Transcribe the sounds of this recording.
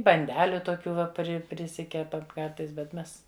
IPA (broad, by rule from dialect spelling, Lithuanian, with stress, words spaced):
bɐnʲˈdʲæːlʲʊ toːˈkʲuː ˈʋɐ ˈpʲrʲɪ pʲrʲɪˈsʲɪkʲɛpɐm ˈkɐrtɐɪs bʲɛt ˈmʲɛs